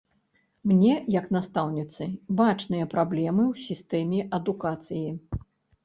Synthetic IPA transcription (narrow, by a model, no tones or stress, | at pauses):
mnʲɛjɐknast̪awnʲit̪sɨbat͡ʂnɨjɐpɾablʲɛmɨwsʲist̪ɛmʲɛʔɐd̪ukat̪sɨji